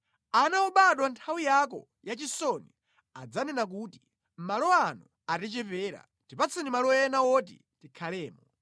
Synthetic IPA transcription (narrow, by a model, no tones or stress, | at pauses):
anauɓaɗwantʰawijakɔ̰ | jat͡ʃisɔni | ad͡zanɛnak̬uːti | m̩malɔanu | atɛt͡ʃɛpɛːɾa̰ | tipat͡sʰinimalɔjɛnawɔt̬ḭ | tikʰalɛːmɔ